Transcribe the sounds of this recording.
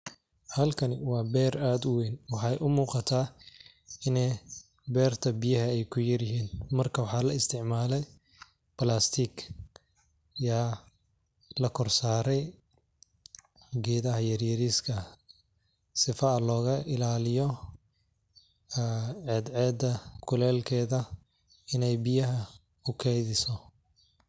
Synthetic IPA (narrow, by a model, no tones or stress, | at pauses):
hɐlkʰɐnɪwɑːbɛːraːd̪ʊwɛjnwɑħɑjʔʊmuːqɑt̪ʰaː | ɪnɛ | bɛːrt̪ʰɐbijɐɦɐɛjkʰʊjɐɾɪɦiːnmɐrkʰɐwɑħɑːlɐɪst̪ʰɪʕmaːlɛj | bɐlaːst̪ʰik | jaː | lɐkʰɔrsaːɾɛj | ɡɛːðɐɦɐjɐrjɐɾiːskʰɐ | sɪfɐɐlɔːɣɐʔɪlaːlɪjɔ | ʕɛːd̪ʕɛːd̪ɐkʰʊlɛːlkʰɛːðɐ | ɪnɛjbɪjɐɦɐ | ʊkʰɛjðɪsɔ